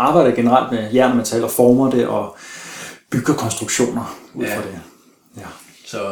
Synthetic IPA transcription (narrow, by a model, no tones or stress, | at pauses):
ɑ̈ːb̥ɑ̈ɪ̰d̥ɐɡ̥e̝nəʁäl̰d̥mejæɐ̰nɐmænt͡sʰɛ̰ːlɒfɒːmɐd̥e̝ʔɒ̽ | b̥yɡ̥ɐkʰɒ̽nsd̥ʁuɡ̥ɕo̝̰ːnɐuð̰ˠfʁɒd̥e | jæ